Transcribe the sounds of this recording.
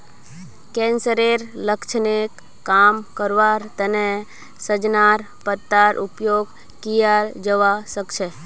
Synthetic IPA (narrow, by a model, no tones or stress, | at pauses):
kɛ̃nsəɾeɾləkt͡ʃʰənekː | amkəɾʋaɾt̪əne | səd͡ʒnaɾ | pət̪ːaɾʔupjoɡ | kijaɾd͡ʒəʋasəkt͡ʃʰe